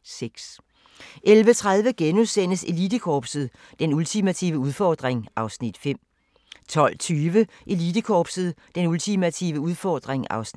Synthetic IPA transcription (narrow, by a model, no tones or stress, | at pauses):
seɡ̥s | ʔelʋət͡sʰʁað̞ˠʋəɡ̥enusen̰əse̝lid̥əkʰɒːb̥sð̩ˠ | d̥enult͡sʰimæt͡sʰḭʊəuð̞ˠfɒːd̥ʁeŋʔɑ̈ʊsnid̥fem̰ | t͡sʰɒ̽l̰t͡sʰyːʋəʔe̝lid̥əkʰɒːb̥səð̞̩ˠd̥enult͡sʰimæt͡sʰḭʊəuð̞ˠfɒːd̥ʁeŋɑ̈ʊsn